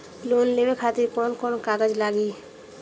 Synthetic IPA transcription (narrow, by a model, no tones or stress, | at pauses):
lonlebekʰat̪iɾkɔnkɔnokaɡad͡ʒlaɡi